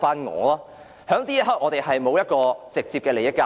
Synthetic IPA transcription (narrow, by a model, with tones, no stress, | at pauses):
faː˥nŋɔ̰ː˨˥laː˥ | hœː˨˧˥ŋt̪iː˥jɦɐ˨˥k̚ŋɔː˨˧t̪e˨jhɐ˨jmo˨˧wjɐ˥t̚kɔː˧t͡sɪ˨k̚t͡siː˧p̚kɛː˧le˨˩jɪ˥kːaː˧